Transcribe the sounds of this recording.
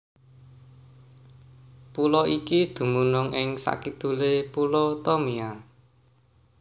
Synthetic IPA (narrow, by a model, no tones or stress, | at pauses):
pulɔʔikid̪̥ṳmunʊŋɪŋsa̰kid̪̥ṳlepulɔt̪ɔmia